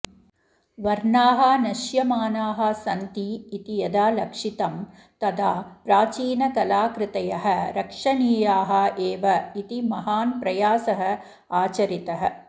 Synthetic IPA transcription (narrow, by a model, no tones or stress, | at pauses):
ʋɐɾɳaːɦɐnɐʃjɐmaːnaːɦɐ̆sɐnt̪iːt̪ijɐd̪aːlɐkʂit̪ɐm | t̪ɐd̪aːpɾaːt͡ʃiːnɐkɐlaːkɾɪt̪ɐjɐɦɐ̆ɾɐkʂɐniːjaːɦɐ̆ʔeːʋɐit̪imɐɦaːnpɾɐjaːsɐɦɐ̆ | aːt͡ʃɐɾit̪ɐɦɐ̆